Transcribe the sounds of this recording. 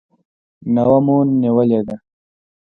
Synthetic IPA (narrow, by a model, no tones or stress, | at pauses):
nawamunːiwəled̪a